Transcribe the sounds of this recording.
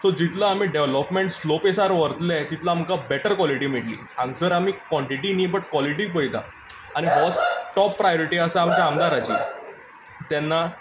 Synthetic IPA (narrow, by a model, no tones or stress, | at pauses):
sɔd͡ʑit̪laːm̤iːɖeʋləpmeɳʈslopesaɾʋəɾt̪lɛt̪it̪lamkabɛʈəɾkʋɔliʈiːm̤iʈlḭː | ãŋɡsəɾam̤iːkʋɔɳʈiʈiniːbəʈkwɔliʈiːp̬əjt̪a̰ | aɽ̃iɦɔt͡sʈɔpːɾajoɾiʈiːəsaamt͡ɕaamd̪aɾat͡ɕḭː | t̪jɛnːa